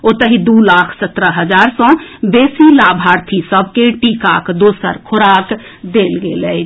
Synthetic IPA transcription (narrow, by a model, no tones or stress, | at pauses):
ot̪əɦid̪ulakʰsət̪ɾəɦəd͡ʒaɾsɔ̃besilabʱaɾt̪ʰisəb̚ʱkeʈikakd̪osə̰ɾkʰoɾak | d̪elɡeləj